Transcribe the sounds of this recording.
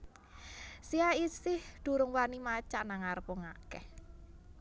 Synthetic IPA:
siaisɪhd̪̥ṳɾʊŋwanimat͡ʃaʔnaŋaɾəpɔŋakɛh

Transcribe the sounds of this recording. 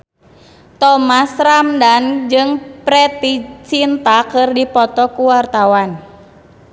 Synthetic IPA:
t̪ɔmasramdand͡ʒɨŋpɾɛt̪it͡ʃint̪akɨrdipɔt̪ɔkuwart̪awan

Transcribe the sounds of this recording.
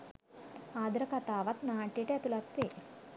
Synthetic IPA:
aːd̪ɾɐkɐt̪aːʋɐt̪naːʈiʈet̪ulɐt̪ːi

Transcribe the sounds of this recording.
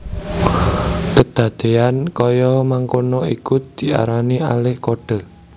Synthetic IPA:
pəd̪̥ä̤d̪̥e̤ankɔjɔmaŋkonɔikud̪̥i̤a̰ɾania̰lɪhkoɖ̥ə̤

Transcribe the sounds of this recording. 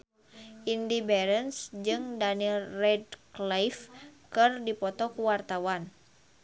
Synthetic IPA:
ʔindibɛɾənsd͡ʒɨŋdaniilrɛdklafkɨrdipɔt̪ɔkuwart̪awan

